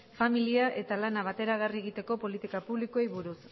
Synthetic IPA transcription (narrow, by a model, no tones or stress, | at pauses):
familiaʔe̞t̪alanaβ̞at̪e̞ɾaɣ̞arie̞ɣit̪e̞ko̞po̞lit̪ikapuβlikoejβuɾus